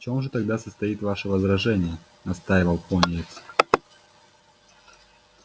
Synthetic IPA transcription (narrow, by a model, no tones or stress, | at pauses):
t͡ɕo̞mʐɨt̪ɐɡ̚d̪asəst̪ɐit̪vaʂəvəzɾɐʐɛnʲɪjə | nɐst̪ajɪvəlˠponʲɪetsʲ